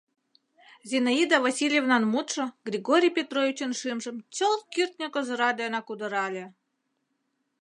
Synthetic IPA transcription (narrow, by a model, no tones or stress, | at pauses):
zʲinaid̪avasʲilʲjevnɑnmut̪ʂɤ̆ɡrʲiɡoɾʲijpʲet̪rovʲit͡ɕə̆nʂɨmʐə̆mt͡solˠkʲirʲt̪ʲnʲekozɤ̆ɾɑd̪ʲejonɑkud̪ɤ̆ɾɑlʲe